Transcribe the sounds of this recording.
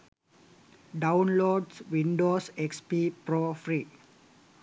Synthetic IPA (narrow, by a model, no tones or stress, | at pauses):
ɖawnloːɖsʋinɖoːsekspipɾofɾi